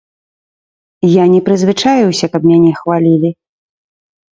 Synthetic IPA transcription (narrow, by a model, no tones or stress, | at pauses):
janʲɛpɾɨzvɨt͡ʂajuwsʲɐkɐb̚mʲanʲɛxvalʲilʲi